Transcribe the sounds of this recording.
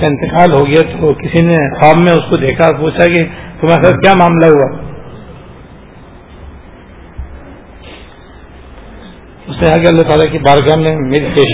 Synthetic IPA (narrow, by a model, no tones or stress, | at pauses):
aɪ̃nt̪ɪkaːlɦoɡɐjat̪okɪsinexaːbːẽʊskod̪eːkʰapuːt͡ʃʰakit̪omːsakjaːmaːmlaɦua | ʊsneɦaːɡeɐlːat̪aːlakibaːɾɡaːmnẽmeːɾipeːʃ